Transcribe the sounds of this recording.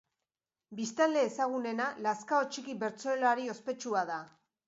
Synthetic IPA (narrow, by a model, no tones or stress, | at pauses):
bist̪ald̪e̞ːsaɣ̞une̞nalaskao̞t͡ʃikiβe̞ɾt͡so̞elaɾio̞spe̞t͡ʃuaða